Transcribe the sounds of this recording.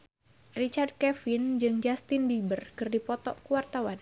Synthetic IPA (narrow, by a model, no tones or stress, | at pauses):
rit͡ʃard̚kɛfɪnd͡ʒɨŋd͡ʒast̪ɪnbibərkɨrdipɔt̪ɔʔkuwart̪awan